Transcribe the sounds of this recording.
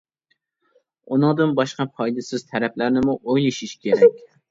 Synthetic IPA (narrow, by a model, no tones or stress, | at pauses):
unɨŋd̪ɨnbɑʃqɑpʰɑjd̪ɪsɪzt̪ʰæɾɛplæɾnɪmuʔojlˠɪʃiʃkʲʰeɾɛkʲ